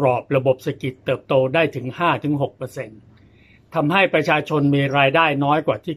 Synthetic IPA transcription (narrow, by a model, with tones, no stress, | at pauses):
ɾɔː˨˩p̚ɾa˧bo˨˩p̚sa˧ki˨˩t̪ːɤː˨˩p̚t̪oː˧daː˥˩jt̪ʰɯ˩˦ŋhaː˥˩t̪ʰɯ˩˦ŋɦo˨˩k̚pɤː˧se˧n | t̪ʰa˧mha˥˩jpɾa˧t͡ɕʰaː˧t͡ɕʰo˧nmiː˧ɾaː˧jdaː˥˩jnɔː˦˥jkwaː˨˩t̪ʰiː˥˩